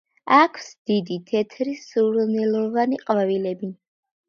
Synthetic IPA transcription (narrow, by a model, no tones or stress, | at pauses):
akʰsd̪̥id̪it̪ʰɛt̪ʰɾisuɾnɛlˠɔvaniqʼvavilɛbi